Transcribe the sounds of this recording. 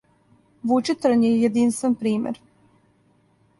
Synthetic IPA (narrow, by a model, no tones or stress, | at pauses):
ʋut͡ʃit̪ɾanjejed̪inst̪ʋenpɾiːmḛɾ